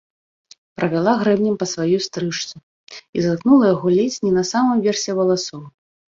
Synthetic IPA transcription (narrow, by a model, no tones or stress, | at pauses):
pɾɐvʲalˠaɣɾɛmnʲɛmpɐsvajust̪ɾɨʂt̪su | izaknulˠɐjaɣɔlʲesʲnʲinɐsamɨmvʲɛrsʲɛvɐlˠasɔw